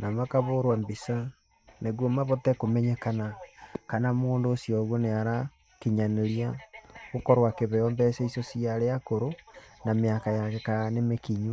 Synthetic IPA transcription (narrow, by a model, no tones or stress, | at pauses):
namakaβoɾwambisa | neɣwomaβotɛkomɛɲɛkanakanamoːndoːsjɔɣwoneaɾa | kiɲaneɾiaɣokɔɾwakeβɛɔmbɛseisosiaɾeakoɾonameakajaɣɛkanemekiɲu